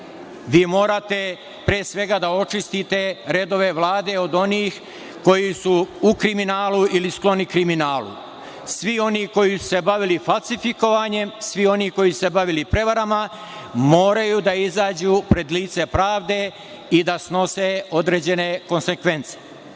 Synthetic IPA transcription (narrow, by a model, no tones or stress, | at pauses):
ʋiːmo̞ːɾat̪e̞ | pɾeːsʋe̞ɡad̪ao̞t͡ʃist̪it̪e̞ɾed̪o̞ʋe̞ʋlaːd̪e̞o̞d̪o̞niːx | ko̞jisuukɾiminaːluilisklo̞nikɾiminaːlṵ | sʋio̞niko̞jisu̥se̞baʋilifalˠsifiko̞ʋaɲe̞msʋio̞niko̞jisuse̞baʋilipɾe̞ʋaɾama | mo̞ːɾajud̪aizaːd͡ʑuːpɾe̞d̪liːt̪se̞pɾaːʋd̪e̞ | id̪asno̞seo̞d̪ɾe̞ːd͡ʑe̞ne̞ko̞nse̞kʋe̞nt̪se̥